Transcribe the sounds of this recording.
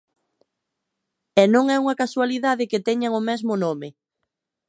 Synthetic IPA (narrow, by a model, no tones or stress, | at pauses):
ɛnõŋɛuŋɐkaswaliðaðɪkɪt̪ɛɲaŋʊmɛzmʊnomɪ